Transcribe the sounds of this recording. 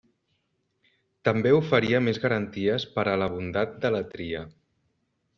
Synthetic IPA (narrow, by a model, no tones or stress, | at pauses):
t̪əmbeufəɾiəmezɣəɾənt̪iəspəɾələβ̞und̪at̪̚d̪ələt̪ɾiə̰